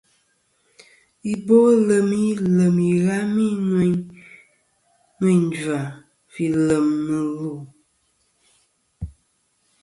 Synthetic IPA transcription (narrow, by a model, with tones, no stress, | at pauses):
i˨bo˦lə˨mi˦lə˨mi˨ɣa˦mi˦ne˦ɲ | ni˦˨ɲn˦da˨ | fi˨lə˨mːɨ˨lu˨